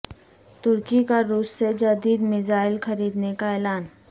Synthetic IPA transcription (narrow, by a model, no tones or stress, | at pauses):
t̪ʊɾkikaɾuːsːed͡ʒɐd̪iːd̪mɪzaːɪlxɐɾiːd̪nekaɛːlaːn